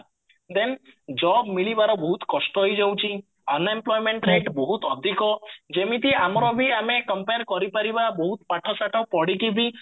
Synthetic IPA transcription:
d̪end͡ʒɔbmiɭibaɾɔbɔɦut̪kɔsʈɔɦojd͡ʒewt͡ʃʰi | ɔnemplɔjmeɳʈɾeʈbɔɦut̪ɔd̪ʱikɔd͡ʒemit̪iamɔɾɔbʱiamekɔmpeɾkɔɾipaɾibabɔɦut̪paʈʰɔsaʈɔpɔɽikibʱi

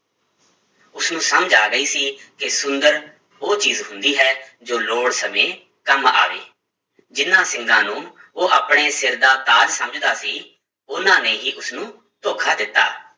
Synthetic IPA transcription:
ʊsnũːsəməd͡ʒaːɡəiːsiːkɪsʊnd̪əɾ | oːt͡ʃiːzɦʊnd̪iːɦɛːd͡ʒoːloːɽsəmẽː | kəma̰ːʋḛː | d͡ʒɪnãːsɪŋɡãːnũːoːʔaːpɳeːsɪɾd̪aːt̪aːlsəməd͡ʒd̪aːsiː | ʊnãːneːɦiːʔʊsnũː | t̪oːkʰaːd̪ɪt̪ːa̰ː

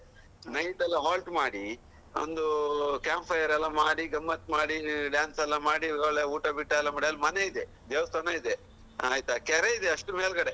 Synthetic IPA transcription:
nɐjʈɐlːɐɦaːlʈmaːɽi | o̰nd̪ukaːmpʰɐjɐɾɛlːɐmaːɽiɡɐmːɐt̪̚maːɽiɖaːnsɐlːɐmaːɽiɡɐɭeuːʈɐbiʈːajlːɐmaːɽiɐlːmɐneid̪e | d̪eːʋɐst̪ʰɐnaid̪e | a̰ːjt̪ɐkɛɾeid̪eɐʂʈumeːlɡɐɽe

